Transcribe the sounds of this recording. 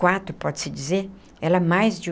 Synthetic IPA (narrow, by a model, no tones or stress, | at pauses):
wat̪pɔd̪sid̪ize | ɛlamajzd͡ʒy